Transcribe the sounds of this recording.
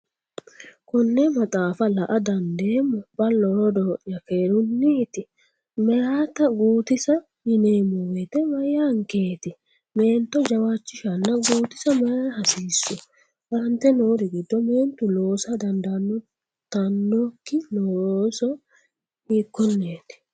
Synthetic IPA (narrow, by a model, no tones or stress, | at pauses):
kɔnːemɐt̪ʼaːfɐlɐʔɐd̪ɐnd̪eːmːɔbɐlːɔɾɔd̪ɔʔjɐkeːɾʊnːiːt̪ɪ | mɛjaːt̪ɐɡuːt̪ɪsɐ | mɪneːmːɔwɛt̪ɛmɐjaːŋkeːt̪ɪ | me̞ːnt̪ːɔd͡ʒɐwat͡ʃːɪʃɐnːɐɡuːt̪ɪsɐmɐjaːhɐsiːsːʊ | ɐnt̪ɛnoːɾɪɡɪd̪ːɔmeːnt̪ʊloːsɐd̪ɐnd̪ɐnːɔ | t̪ɐnːɔkːɪnɔsɔ | iːkːɔnːeːt̪ɪ̥